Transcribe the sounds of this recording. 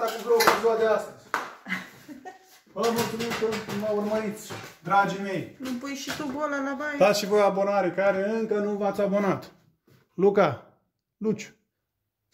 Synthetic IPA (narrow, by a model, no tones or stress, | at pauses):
akuvɾopezuad̪east̪əzʲ | vəmult̪sumit̪uvaurməɾit̪sʲd̪ɾad͡ʒime̞jnupujʃit̪ubolalabajd̪at̪ʃivɾojabo̞naɾekaɾe̞ɨŋkənuvat̪sʲabo̞nat̪ | luka | lut͡ʃu̥